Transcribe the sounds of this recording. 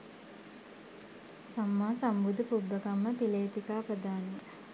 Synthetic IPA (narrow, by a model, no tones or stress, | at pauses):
samːaːsambud̪əpubːəkamːəpileːt̪ikaːprəd̪aːne